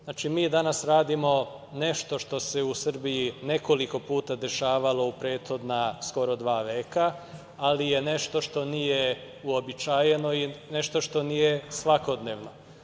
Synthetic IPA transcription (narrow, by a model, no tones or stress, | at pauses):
znat͡ʃimiːd̪anasɾaːd̪imo̞ | ne̞ʃt̪o̞ʃt̪o̞se̞usr̩bijine̞ko̞liko̞puːt̪ad̪e̞ʃaːʋalo̞upɾe̞ːt̪xo̞d̪nasko̞ɾo̞d̪ʋaːʋeːkaː | lije̞ne̞ʃt̪o̞ʃt̪o̞nije | uobit͡ʃaːjeno̞ine̞ʃt̪o̞ʃt̪onijesʋako̞d̪ne̞ːʋno̞̰